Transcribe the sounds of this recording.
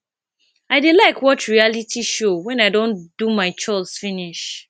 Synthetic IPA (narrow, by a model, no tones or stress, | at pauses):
aɪdelaɪkwɔtɹialitʰiʃowɛ̃naɪdõnd̥umaɪt͡ʃɔɪsfiniʃ